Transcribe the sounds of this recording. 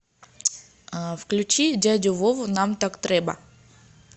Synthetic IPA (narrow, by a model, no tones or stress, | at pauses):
fklʲʉt͡ɕidʲadʲʊvovʊnamt̪akt̪ɾʲɛbə̰